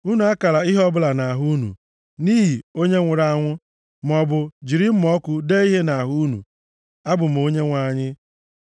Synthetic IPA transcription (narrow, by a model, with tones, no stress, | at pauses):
u˦nu˨a˦ka˨la˨i˦ɦɔ˦bʊ˦la˨na˨ɦu˦nṵ˨ | ni˦ɦi˨o˦ɲe˦ŋʷʊ˨ɾa˨˦ŋʷʊ˦ | m̩˨ɔ˨bʊ˨d͡ʒi˨ɾɪ˦m̩˦mɔ˦kʷʊ˦de˦i˦ɦe˦na˨ɦu˦nṵ˨ | a˦bʊ˨m̩˨o˦ɲe˦ŋʷa˨ɲɪ˦